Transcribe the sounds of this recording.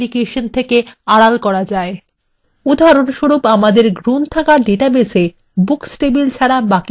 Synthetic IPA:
likeʃont̪ʰekeaɽalkɔɾad͡ʑae | ud̪ʱaɾonʃoɾupamad̪eɾɡɾunt̪ʰakaɾɖeʈabese | buksʈebilt͡ɕʰaɽabaki

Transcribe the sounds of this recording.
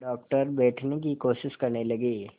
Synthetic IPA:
ɖɔːk̚ʈəɾbɛːʈʰnek̬ikoːʃɪʃkɐɾnelɐɡeː

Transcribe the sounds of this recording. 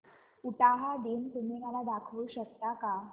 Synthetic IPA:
uʈaɦad̪ent̪um̤iːmalad̪akʰʋuːɕək̚t̪aka

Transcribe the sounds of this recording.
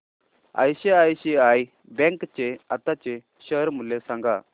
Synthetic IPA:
a̰jɕeajɕiaj | bɛ̃ŋkt͡ɕeat̪at͡ɕe | ɕəɾmulːesãŋɡa

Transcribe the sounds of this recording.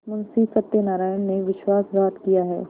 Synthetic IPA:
mʊnsisɐt̪ːenaːɾaːjənneʋɪʃwaːsbaːt̪kijaɦɛ̰ː

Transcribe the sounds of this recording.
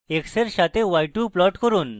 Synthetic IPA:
ekseɾɕat̪eʋajʈuplɔʈkəɾuːn

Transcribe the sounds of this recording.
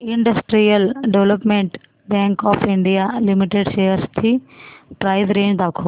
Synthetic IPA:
ɪɳɖəsʈɾijəlɖeʋləpmẽɳʈ | bɛ̃ːŋkɔːfʰɪɳɖijalimiʈeɖʃejəɾst̪ʰipɾaːɪzɾẽːd͡ʒd̪aːkʰoː

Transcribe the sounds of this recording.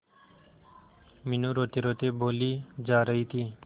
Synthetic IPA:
minuɾoːt̪eɾot̪eboːliːd͡ʒaːɾəɦiːt̪ʰiː

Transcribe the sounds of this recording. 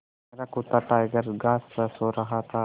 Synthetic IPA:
eɾakut̪ːaʈ̪aeɡɐɾɡaːssoɾaɦat̪a

